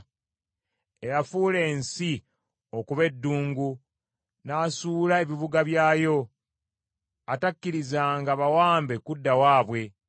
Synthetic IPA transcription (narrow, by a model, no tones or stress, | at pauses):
e̞ɾafuːle̞ːnsi | o̞kuβe̞dːuːŋɡu | naːsuːlae̞βiβuɡaβjaːjo̞ | atakːiɾizaːŋɡaβawaːmbe̞kudːawaːβwe̞